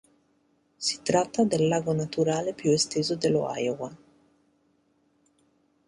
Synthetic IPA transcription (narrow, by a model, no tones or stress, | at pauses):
si̥t̪ɾat̪ːad̪elːaːɡonat̪uɾaːlepjuest̪eːzod̪elːo̰a̰jowa